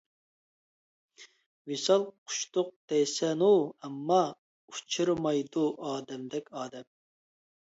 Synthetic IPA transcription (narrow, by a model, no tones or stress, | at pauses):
wisɑlˠqʰʊ̥ʃt̪ʊq̚d̪̥ɛjsɛnuɛmːɑ | ut͡ʃʰɨɾmɑjd̪uʔɑːd̪ɛmd̪ɛkʲɑːd̪ɛm